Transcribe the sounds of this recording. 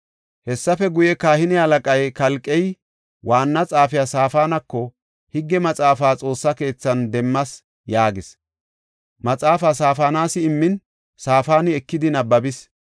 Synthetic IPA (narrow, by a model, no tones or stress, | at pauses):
hɛsːɐfɛɡʊjɛkaːhɪnɪhɐlɐkʼɐjkɐlkʼːɛj | waːnːɐt͡sʼaːfɪjasaːfaːnɐkːɔ | hɪɡːɛmɐt͡sʼaːfaːt͡sʼo̞ːsːɐke̞ːt͡sːɐnd̪ɛmːɐs | jaːɡɪs | mɐt͡sʼaːfaːsaːfaːnaːsɪɪmːɪn | saːfaːnɪɛkːɪd̪ɪnɐbɐbɪs